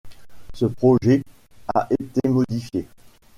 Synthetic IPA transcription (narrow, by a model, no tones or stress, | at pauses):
səpχɔʒɛ | a̰ʔet̪emɔd̪ifje